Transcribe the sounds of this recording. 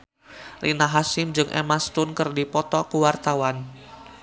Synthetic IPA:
rʔinaɦasɪmd͡ʒɨŋʔḛmast̪ʊnkɨrdipɔt̪ɔkuwart̪awan

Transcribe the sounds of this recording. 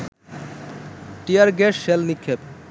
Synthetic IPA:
ʈijaɾɡɛʃːelnikʰːep

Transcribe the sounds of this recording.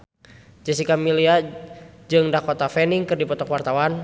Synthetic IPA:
d͡ʒɛsikamilia | d͡ʒɨŋdakɔt̪afɛniŋkɨrdipɔt̪ɔkwart̪awan

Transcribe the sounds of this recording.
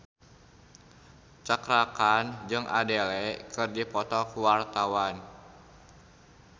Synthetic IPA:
t͡ʃakɾakand͡ʒɨŋʔadelɛʔkɨrdipɔt̪ɔkuwart̪awan

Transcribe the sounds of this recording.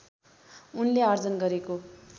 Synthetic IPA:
unleʌrd͡zʌnɡʌɾeko

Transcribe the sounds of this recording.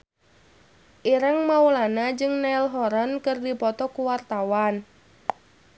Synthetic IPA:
ʔiɾaŋmaulanad͡ʒɨŋnailɦɔɾankɨrdipɔt̪ɔkuwart̪awan

